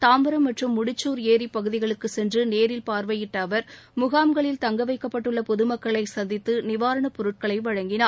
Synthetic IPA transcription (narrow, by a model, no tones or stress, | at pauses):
t̪aːmbɐɾɐmːɐʈrɯmːʊɽɪt͡ʃːuːɾeːɾipːɐɣɯðɪɣɐɭɯkːɯsɛndrɯneːɾɪlpaːɾʋɐjɪʈːɐʋɐɾ | mʊɣaːmɡɐɭɪlt̪ɐŋɡɐʋɐɪkːɐpːɐʈːɯɭːɐpɔðɯmɐkːɐɭɐɪsɐnd̪ɪt̪ːɯnɪʋaːɾɐɳɐpɔɾɯʈ̚kɐɭɐɪʋɐɻɐŋɡɪnaː